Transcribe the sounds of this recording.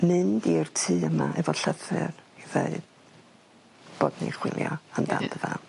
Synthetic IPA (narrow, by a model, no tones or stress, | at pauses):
mɨndirtʰɨːəmaʔɛvɔɬəfɨriðeɨd̥ | b̥oːdnḭχwɪlˠjɔandandəvɛn